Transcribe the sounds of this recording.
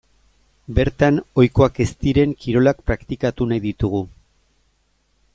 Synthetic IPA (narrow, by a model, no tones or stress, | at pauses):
be̞ɾt̪ano̞jko̞ake̞st̪iɾe̞ŋkiɾo̞lak̚pɾakt̪ikat̪unajðit̪uɣ̞u